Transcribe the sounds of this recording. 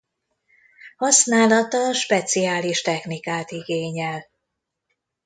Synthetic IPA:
hɒsnaːlɒt̪ɒʃpɛt̪siaːliʃt̪ɛxnikaːt̪iɡeːɲɛl

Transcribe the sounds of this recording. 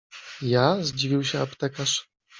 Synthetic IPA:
jazd͡ʑivʲiwɕɛapt̪ɛkaʂ

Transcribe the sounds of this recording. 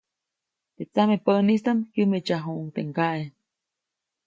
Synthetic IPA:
t̪et͡samepənist̪amkjɨmet͡ʃaɦuʔuŋt̪ḛŋkaʔe

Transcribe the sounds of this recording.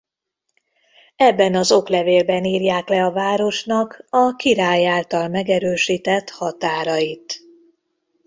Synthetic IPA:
ɛbːɛnɒzo̞klɛveːlbɛniːrjaːklɛɒvaːɾo̞ʃnɒkɒkiɾaːjaːlt̪ɒlmɛɡɛɾøːʃiːt̪ɛt̪hɒt̪aːɾɒjit̪

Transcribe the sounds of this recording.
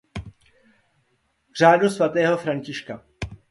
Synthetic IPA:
r̝aːdusvat̪ɛːɦo̞fɾaɲcɪʃka

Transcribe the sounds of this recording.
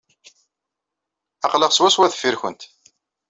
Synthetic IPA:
ɑqləʁswæswæð̥fːiɾçənt̪

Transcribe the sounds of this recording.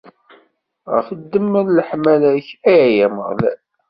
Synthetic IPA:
ʁə̰fəd̪ːəmːəlləħmælæçæjæjæmə̰ʁl

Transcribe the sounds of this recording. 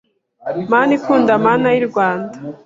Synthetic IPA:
maːnikuːndamaːnajiɾɡwaːndḁ

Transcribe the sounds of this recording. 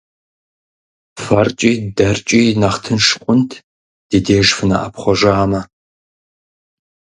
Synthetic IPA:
fɐrt͡ʃʼiːdɐrt͡ʃʼiːnɐχtʰɨnʂqʷʼʊntʰ | d̥iːdeːʒfɨnɐ̰ʔɐ̰pχʷɔʒaːmɐ

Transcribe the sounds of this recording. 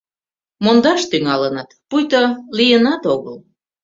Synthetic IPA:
mond̪ɑʃt̪yŋɑlənət̪pujt̪olijənɑt̪oɣəl

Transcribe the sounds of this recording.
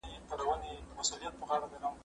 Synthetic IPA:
it̪aɽawanemasulijat̪̚pəɣɑɽad̪əɾam

